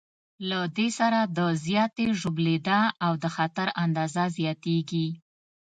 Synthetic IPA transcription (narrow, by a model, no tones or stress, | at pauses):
lad̪esaɾad̪əzjɑt̪eʒʊbled̪aawd̪əxat̪aɾand̪ɑzazjɑt̪eɡi